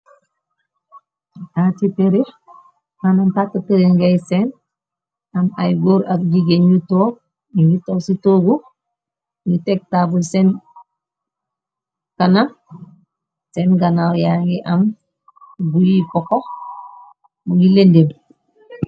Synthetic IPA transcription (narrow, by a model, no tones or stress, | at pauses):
tatipeɾi | manantatateɾeŋɡejsen | amajɡoːɾak̚ɟiɡeɲutoː | iŋɡitositoɡu | ŋɡitek̚tabusen | kana | senɡanawjaŋɡiʔam | ɡujikɔko | muŋɡilendeb